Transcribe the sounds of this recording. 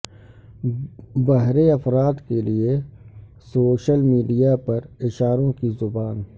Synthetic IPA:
bɐɦɾeɐfɾaːd̪kelie | soːʃəlmiːɖijapɐɾɪʃaːɾõkizʊbaːn

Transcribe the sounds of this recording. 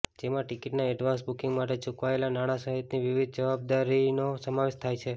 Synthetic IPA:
d͡ʒemãʈikiʈnaɛɖʋãnsbukĩŋɡmaʈ̬et͡ʃukʋaelanaɽ̃asəɦit̪niʋiʋid̪̚ʱd͡ʒəʋab̚d̪aɾinosəmaʋeʃt̪ʰajt͡ʃʰe

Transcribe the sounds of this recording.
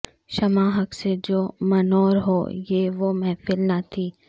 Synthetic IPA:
ʃɐmaːɦɐksed͡ʒoːmɐnɔːɾɦo̰ːjeʋomɛːfɪlnat̪ʰiː

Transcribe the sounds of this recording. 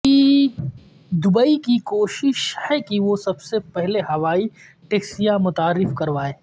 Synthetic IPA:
i | d̪ʊbəikikoːʃɪʃhɛkiʋosɐbsepɛɦlehɐʋaːi | ʈeːksijãmʊt̪aːɾːɪfkɐɾʋaːeː

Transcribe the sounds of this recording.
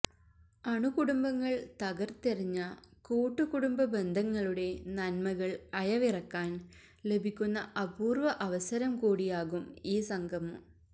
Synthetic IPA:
ɐɳukuɽumbɐŋːɐɭt̪ɐɣɐrt̪iriɲːɐkuːʈːukuɽumbɐbe̞nd̪ʱɐŋːɐɭuɽe̞nɐnmɐɣɐɭɐjɐʋirɐkːaːn | le̞bʱikʲːunːɐʔɐbuːrʋɐʔɐʋɐsɐɾɐmkuːɽijaːɣumiːsɐŋɡʱɐm

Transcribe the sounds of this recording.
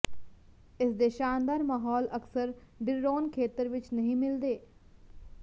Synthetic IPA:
ɪsd̪eːʃaːnd̪aːɾmaːɦɔːləksəɾɖɪɾɾoːnkʰeːt̪əɾʋɪt͡ʃnəɦĩːmɪld̪eː

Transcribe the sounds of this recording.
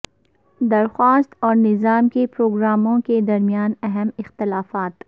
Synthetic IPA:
d̪ɐɾxwaːst̪ɔːɾnɪzaːmkepɾoːɡɾaːmõked̪ɐɾmijaːnɐɦɛmɪxt̪ɪlaːfaːt̪

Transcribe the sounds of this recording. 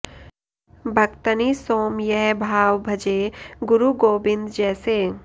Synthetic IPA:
bʱɐkt̪ənisoːmjɛɦbʱaːʋbʱɐd͡ʒeɡʊɾuɡoːbɪ̃nd̪d͡ʒɛːseː

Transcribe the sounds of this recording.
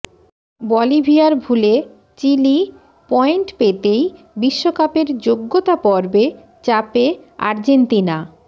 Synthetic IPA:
bɔlibʱiaɾbʱule | t͡ɕili | pɔeɳʈpet̪ej | biʃːokapeɾd͡ʑoɡːot̪apɔɾbe | t͡ɕapea̰ɾd͡ʑent̪ina

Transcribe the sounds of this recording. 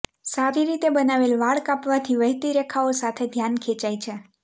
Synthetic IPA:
saɾiɾit̪ebənaʋelʋaɭkapʋat̪ʰiʋəɦt̪iɾekʰaosat̪ʰed̪ʱjankʰet͡ʃait͡ʃʰe

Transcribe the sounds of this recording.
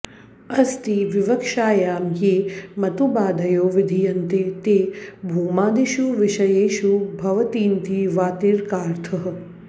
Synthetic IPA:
ɐst̪iʋiʋɐkʃaːjaːmjeːmɐt̪ubaːd̪ʱɐjoːʋid̪ʱijɐnt̪eːt̪eːbʱuːmaːd̪iʃuʋɪʃɐjeːʃubʱɐʋɐt̪iːnt̪iːʋaːt̪iɾkaːɾt̪ʰɐɦɐ

